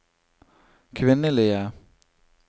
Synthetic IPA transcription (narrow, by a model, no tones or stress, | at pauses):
kʰʋɪnəlɪə